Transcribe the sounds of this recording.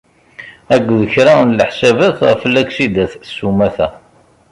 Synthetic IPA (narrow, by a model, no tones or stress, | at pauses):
æɡʷːðəçɾɑnləħsævæθʁflːæksid̪æθsumæθæ